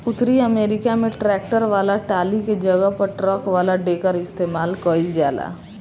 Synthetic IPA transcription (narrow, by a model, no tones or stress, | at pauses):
ʊt̪ɾiəmeːɾɪkamẽʈɾɛːk̚ʈəɾʋaːlaʈaːliked͡ʒəɡəpəɾʈɾɔkʋaːlaɖeːkəɾɪst̪eːmaːlkəɾid͡ʒaːla̰ː